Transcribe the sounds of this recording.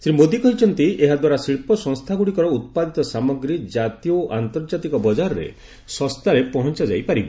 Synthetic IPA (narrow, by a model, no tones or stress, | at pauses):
sɾimod̪ikɔɦit͡ʃʰɔnt̪ieɦad̪waɾasiɭpɔsɔŋst̪ʰaɡuɽikɔɾɔut̪̚pad̪it̪ɔsamɔɡɾid͡ʒat̪iɔʔant̪ɔɾd͡ʒat̪ikɔbɔd͡ʒaɾɔɾḛ | sɔ̃st̪ʰaɾepɔɦɔnt͡ʃad͡ʒa̰jpaɾibɔ